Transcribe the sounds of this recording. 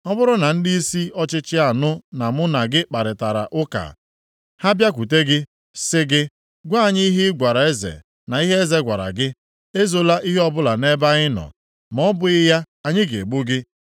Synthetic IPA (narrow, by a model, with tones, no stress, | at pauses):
ɔ˦bʊ˦ɾʊ˦na˨n̩˦di˦i˦si˦ɔ˦t͡ʃɪ˦t͡ʃɪ˦a˨nʊ˦na˨mʊ˦na˨ɡɪ˦k͡pa˨ɾɪ˨ta˨ɾa̰˨ʔʊ˦ka̰˨ | ha˦bja˦kʷu˨te˦ɡɪ˦ | sɪ˦ɡɪ˦ | ɡʷa˦˨ɲɪ˦i˦ɦɪ˦ɡʷa˨ɾa˨e˦zḛ˨ | na˨i˦ɦe˦e˦ze˦ɡʷa˨ɾa̰˨ɡɪ˦ | e˦zo˨la˦ʔi˦ɦe˦ɔ˦bʊ˦la˨ne˦ba˦ɣɪ˦nɔ̰˨ | mɔ˦bʊ˦ɣɪ˦ja˦ | a˨ɲɪ˦ɡe˨ɡ͡bu˦ɡɪ˦